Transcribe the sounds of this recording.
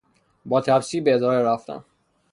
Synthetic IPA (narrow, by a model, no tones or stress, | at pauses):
bɒːt̪ʰæbsiːbeed̪ɒːɾeɾæft̪æ̰n